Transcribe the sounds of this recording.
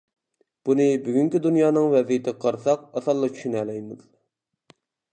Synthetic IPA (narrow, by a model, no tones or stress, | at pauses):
b̥unɨbyɡʲyŋkʲid̪unjɑːnɨŋvɛzijit̪ʰɪqʰɑɾsɑq̚ɑsɑlˠːɑt͡ʃʰy̥ʃynɛlɛjmɪz